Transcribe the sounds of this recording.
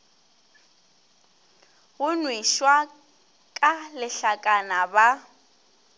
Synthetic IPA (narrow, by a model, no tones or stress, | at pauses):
ɣʊnwiʃwa | kʼalɪɬakʼanaba